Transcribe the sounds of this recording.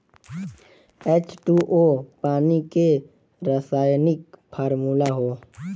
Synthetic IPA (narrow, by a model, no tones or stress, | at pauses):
et͡ʃʈuʔoːpaːnike | ɾəsaːjnɪkpʰaːɾmuːlaɦoː